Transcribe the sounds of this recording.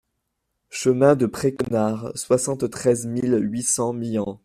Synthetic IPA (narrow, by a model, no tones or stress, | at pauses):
ʃəmɛ̃d̪əpχekɔnaʁswasɑ̃t̪ːχɛzmilɥisɑ̃mijɑ̃